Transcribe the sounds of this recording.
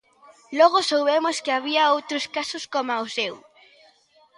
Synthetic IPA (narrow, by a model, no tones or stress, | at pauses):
lɔɣosowβemʊskɪaβiɐowt̪ɾʊskasʊskomaosew